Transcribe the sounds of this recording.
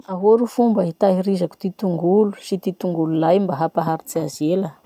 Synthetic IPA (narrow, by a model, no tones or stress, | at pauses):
aɦoɾufumbəit̪aɦiɾizaku̥t̪it̪uŋɡulu̥sit̪it̪uŋɡululajmbaɦapaɦaɾit͡siazelə